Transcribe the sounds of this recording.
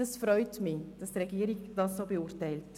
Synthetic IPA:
ɑsfɾœʏtmid̥ɑstɾɛɡiəɾiɡd̥ɑssoːbeuɾtɛɪlt

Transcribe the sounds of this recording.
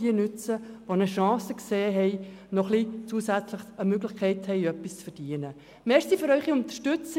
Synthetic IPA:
iənʏt͡səʋonəʃɑ̃ːsəkseːɦɛɪnɔχlit͡suːəsæt͡sləχəmøɡləχkʰɛɪthɛɪjœpːist͡sfərd̥iənə | mɛːsifʏɾœʏχiʊnt̪ə̥ʃtʏt͡s

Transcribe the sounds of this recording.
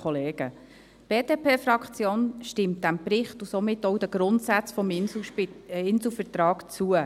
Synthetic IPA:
ɔleːɡ̥ə | b̥eːd̥eːpʰeːfɾɑkχt͡sjoːnʃtɪmt̚d̥æmpɾɪχtusomɪtɔwd̥̪əɡ̥ɾʊntsæt͡sfɔmɪ | ɪnsl̩fəɾtɾɑːkt͡suə

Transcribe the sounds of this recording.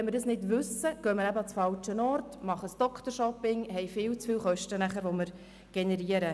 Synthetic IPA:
ɛnmɪɾdɑsnɪdʋʉsəɡ̥øːmɪɾæbəɑt͡sfɑlt͡ʃənɔrtmɑχəsd̥ɔkʰtəɾʃɔpɪŋɦɛjfɪːlt͡sfɪːlχœʃtənæχəɾʋoməɾ | ɡ̥enɛɾiəɾə

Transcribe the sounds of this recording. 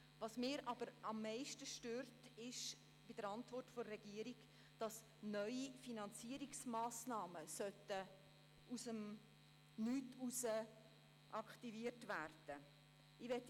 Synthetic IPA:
vɑsmɪːɾʔɑb̥əɾɑmːɛɪʃtəʃtøːrtɪʃ | b̥id̥əɾɑntvɔrtforɛɡ̥iəɾiɡ | d̥ɑs | nœʏifinɑnt͡siəɾiksmɑːsnɑːməsœtə | usəm | nyːtusə | ʔɑkχtiviərtværd̥ə | ɪʋɛt

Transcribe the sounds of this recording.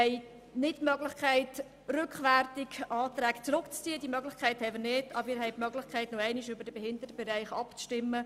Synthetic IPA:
ɛɪ | nɪtmœɡlɪχkʰæɪt | rʏkχʋærtɪkʔɑːt̪ɾæːkt͡sɾʊkt͡st͡siədimœɡlɪχkʰæɪthɛɪmɪrnɪdɑbəɾɪːɾɦɛɪtmœɡlɪxkʰæɪtnoɛɪniʃʏbəɾd̥əb̥ɛhɪndətəb̥ɛɾæɪχɑpt͡sʃtɪmːə

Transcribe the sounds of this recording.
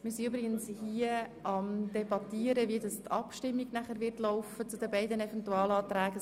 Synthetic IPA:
mɪsiybɾɪɡənshiəɑmd̥ɛbɑtiəɾəviədɑstʰɑ̰pʃtɪmːiɡnæχəɾʋɪɾtlɔʊfət͡sudɛbɛɪdənɛfɛntuɑːlɑːt̪ɾæːɡə

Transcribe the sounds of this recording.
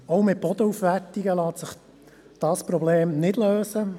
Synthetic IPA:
owmɪt̚b̥ɔd̪əufʋæɾtiɡəlɑːt̪sɪχ | d̪̥ɑːspɾɔbleːmnɪdløːsə

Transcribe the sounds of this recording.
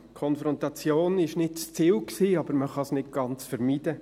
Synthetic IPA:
kʰɔnfɾɔntɑt͡sjoːnɪʃnɪtt͡st͡siːwksiːɑb̥əɾməχɑsnɪt̚ɡ̥ɑnt͡sfəɾmiːdə

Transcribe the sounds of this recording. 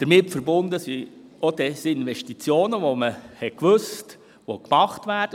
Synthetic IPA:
d̥əɾmɪtfəɾbʊndəsiodɛsiɪnʋɛʃtit͡sjoːnəʋoməhɛtkʋøst | ʋokmɑχtʋæːrd̥ə

